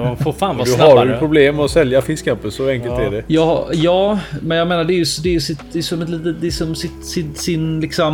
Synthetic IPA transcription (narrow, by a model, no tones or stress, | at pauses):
mafoɾfaːnvɑd̪ɵaɾjɵpʰɾʊbleːmːɛɔsɛljafɪskampənsɔɛŋkəlt̪æɖɛjɑhjɑːmɛnjɑɡmeːnaɖɛæɾjʉsd̪ɛːɾjɵsɪt̪d̪ɛjsɔmːɛt̪lit̪it̪lɪsɔmsɪt̪sɪsɪnlɪksɔm